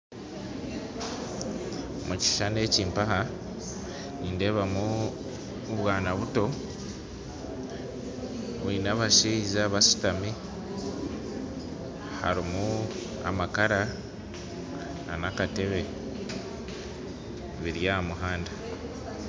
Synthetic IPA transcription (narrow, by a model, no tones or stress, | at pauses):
muci̥ʃane̞ːciːmpaha | niːnde̞βamu | βwaːnaβuto̞ | βinaβaʃiizaβasu̥tami | ha̰ɾimu | a̰makaɾa | anakate̞βe̞ | βiɾjamuɦaːnda